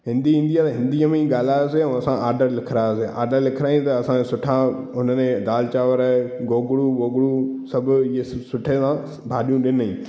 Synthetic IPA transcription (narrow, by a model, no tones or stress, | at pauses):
ɦɪ̃nd̪iɦĩːn̆d̪ijat̪ɐɦɪ̃nd̪iəmẽiɠaːl̤aːjoːseɛ̃ɐsãʔaːɾɖəɾlɪkʰɪɾaːjoseʔa̰ːɾɖəɾlɪkʰɾaːĩt̪ɐɐsãsʊʈʰãʊnənẽd̪aːlt͡ɕaːʋəɾəɡoːɡɽuʋoːɡɽusɐbʱʊɪɦesʊʈʰesã | bʱaːɗijũɗɪnĩ